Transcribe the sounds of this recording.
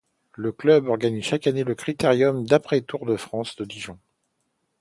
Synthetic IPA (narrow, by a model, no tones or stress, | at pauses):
ləklœbɔʁɡanizʃakaneləkχit̪eʁjɔmd̪apχɛt̪uʁd̪əfχɑ̃sd̪əd̪iʒɔ̃